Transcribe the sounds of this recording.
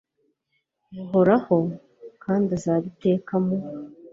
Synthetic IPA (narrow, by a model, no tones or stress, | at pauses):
jaɦoɾaho̞ | kaːndazaːβite̞ːkamo